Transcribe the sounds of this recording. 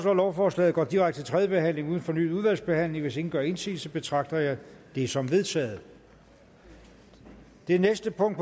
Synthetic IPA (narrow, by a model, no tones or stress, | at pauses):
slɒlɒʊfɒːslɛ̰ːð̩ˠɡɒ̰ːd̥iʁäɡ̥d̥t͡sʰet͡sʰʁɛðjəb̥e̝ɦæn̰le̝ŋuːð̞ˠn̩fɒ̽ny̰ːð̩ˠuðˠʋæl̰sb̥e̝hæn̰le̝ŋʋe̝se̝ŋn̩ɡ̥ɶɐe̝nsḭːl̩səb̥e̝t͡sʰʁɑ̈ɡ̥̚d̥ɐjɑ̈ɪd̥e̝sɒ̽mʋe̝ð̞ˠt͡sʰɛ̰ːð̞̩ˠ | d̥enesd̥əpʰɔ̽ŋ̰d̥̚p